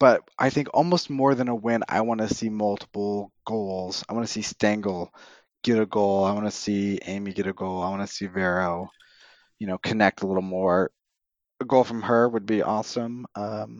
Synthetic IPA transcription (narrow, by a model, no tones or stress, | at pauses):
b̥ʌt̚ʔaɪθɪ̃ŋkɔ̰lˠmoʊst̚mɔɹðɨ̃nəwɪ̃na̰ɪwɑ̃nɨsimʌlˠtʰə̥pl̩ˠɡ̥oʊlˠz̥aɪwɑ̃nɨsistæ̃ŋɡl̩ˠ | ɡ̥ɛɾɨɡoʊlˠaɪwɑnɨsiḛ̃ɪ̃miɡɛɾɨɡoʊlˠaɪwɑnɨsivɛɹoʊ | jɨñoʊkʰɨnɛk̚təlɪɾl̩ˠmɔɹ | əɡoʊlˠfɹʌ̃mə˞wəd̚biʔɔsə̃mʔʌ̃m